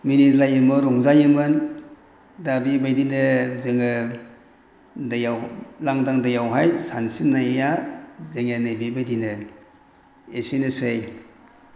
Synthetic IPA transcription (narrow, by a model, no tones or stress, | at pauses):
minitlajɯmɯɾɔŋzajɯmɯn | dabibajdinɯzeŋɯ | dajawlaŋdaŋdajawɦajsansinːajjazeŋɯnɯbibajdinɯ | esenɯsej